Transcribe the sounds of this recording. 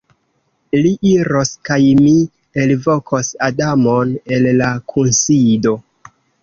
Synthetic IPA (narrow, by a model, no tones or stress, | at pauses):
liʔiɾo̞skajmi | e̞lvo̞kʰosadamone̞lːakʰunsido̞